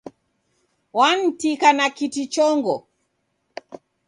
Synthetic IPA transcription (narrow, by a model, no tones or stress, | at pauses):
wan̩tikanakitit͡ʃɔŋɡɔ